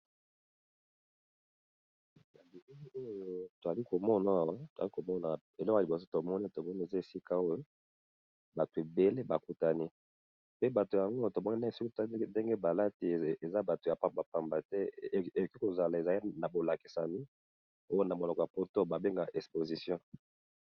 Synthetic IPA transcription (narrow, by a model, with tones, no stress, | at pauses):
na˨li˨i˦o˦jo˦to˨a˨li˦ko˨mɔ˦na˨˦˨wa˦tza˨li˦ko˨mɔ˦na˨ | e˨lɔ˦ko˨so˦to˨mɔ˦ni˦to˨mɔ˦ni˦e˨za˦e˨si˦ka˦o˦jo˦ | ba˨to˨e˨be˦le˦ba˨ku˦ta˨ni˦ | pe˦ba˨to˨ja˨ŋɡo˦to˨mɔ˦ni˦na˦e˨si˦ki˦to˨˦de˦ŋɡe˦ba˨la˦ti˨e˨za˦ba˨to˨ja˨pa˨mba˨pa˨mba˨te˦e˨o˨ki˦ko˨za˨la˨e˨za˨li˦na˨bo˨la˨ki̥˨sa˨mi˦ | o˦jo˦na˨mo˨lɔ˨kɔ˨ja˨po˦to˦˨ba˨be˦ŋɡa˨ʔɛ˨kspo˨zi˨sjɔ̃˦